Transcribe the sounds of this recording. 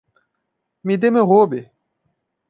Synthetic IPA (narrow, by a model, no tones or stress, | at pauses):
mid̪emeɣoːbe